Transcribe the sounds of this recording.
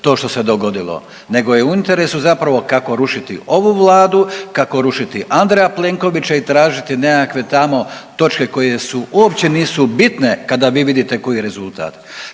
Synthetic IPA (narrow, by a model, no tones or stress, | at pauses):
t̪o̞ːʃt̪o̞se̞d̪o̞ɡo̞d̪ilo̰ | ne̞ɡo̞jeuint̪eɾe̞suzapɾaʋo̞kako̞ɾuʃit̪ḭo̞ʋuʋlaːd̪ukako̞ɾuʃit̪iʔand̪ɾejaple̞ŋko̞ʋit͡ɕait̪ɾaːʒit̪ine̞kakʋe̞t̪amo̞t̪o̞t͡ʃke̞ko̞je̞suuopt͡ɕe̞niːsubit̪ne̞kad̪aʋiːʋid̪it̪e̞ko̞jiɾe̞zulˠt̪a̰ːt̪